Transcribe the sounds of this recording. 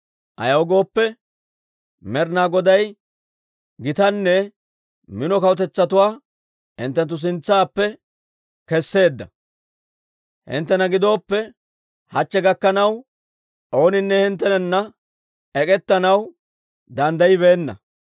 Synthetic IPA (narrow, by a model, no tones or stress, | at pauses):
ʔɐ̰jɐwɔɡo̞ːpːɛ | mɛɾnaːɡɔd̪ɐj | ɡɪt̪ɐnːɛ | mɪnɔkɐwɔt̪ɛt͡sːɐt̪ʊwaː | hɪ̰nt̪ːɛnt̪ːʊs̬ɪnt͡sːaːpːɛ | kɛsːe̞ːd̪ːɐ | hɪ̰nt̪ːɛnɐɡɪd̪o̞ːpːɛ | hɐt͡ʃːɛɡɐkːɐnɐw | ʔo̞ːnɪnːɛhɪnt̪̬ːɛnɛnːɐ | ɛkʼɛt̪ːɐnɐw | d̪ɐnd̪ɐjɪβeːnːɐ̰